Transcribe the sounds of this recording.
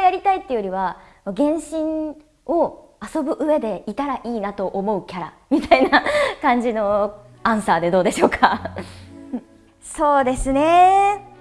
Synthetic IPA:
jaɾʲit̪ait̪ːe̞jo̞ɾʲiβa | moɡẽ̞ɰ̃ɕĩɰ | o̞ | aso̞bɯ̟ʔɯ̟e̞d̪e̞it̪aɾaʔiːnat̪o̞ʔomo̞ɯ̟kʲaɾa̰ | mʲit̪ainakãɲ̟d͡ʑino̞ | ãɰ̃saːd̪e̞d̪o̞ːd̪e̞ɕo̞ːkʰã | so̞ːd̪e̞sɨne̞

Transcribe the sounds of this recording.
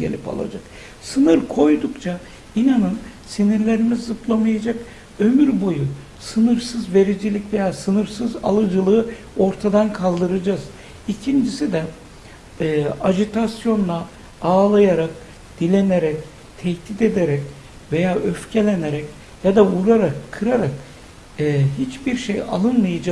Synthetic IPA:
ɟḛlʲipa̰lˠa̰d͡ʒak | sɯnɯɾkʰo̞jd̪ukt͡ʃʰa | inanɯn | siniɾlʲe̞ɾimizːɯplˠamajad͡ʒak | ømyɾbo̞ju | sɯnɯɾsɯzve̞ɾid͡ʒilʲicve̞jaːsɯnɯɾsɯza̰lˠɯd͡ʒɯlˠɯɯ | o̞ɾt̪ʰad̪ankʰalˠd̪ɯɾad͡ʒaz̥ | icʰind͡ʒisid̪ɛː | ad͡ʒit̪ʰasjo̞nlˠa | aːlˠajaɾak̚ | d̪̥ilʲeneɾɛc | t̪ʰɛht̪ʰid̪e̞d̪eɾɛc | ve̞jaːʔøfcʰe̞lʲeneɾɛc | jad̪avuɾaɾakʰːɯɾaɾakː | ɦit͡ʃbiɾʃeja̰lˠɯnmɯjad͡ʒa

